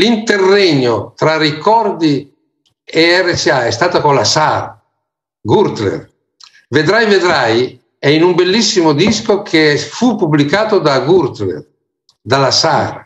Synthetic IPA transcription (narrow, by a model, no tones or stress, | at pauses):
lint̪erːɛɲːot̪ɾarikɔrd̪i | eɛresiaɛst̪aːt̪akolasaːɾa̰ | ɡuɾt̪lḛr | ved̪ɾajved̪ɾaj | ɛinumbelːisːimod̪iskokʰefupːublikaːt̪od̪aɡuɾt̪lḛr | d̪alasa̰ːɾa̰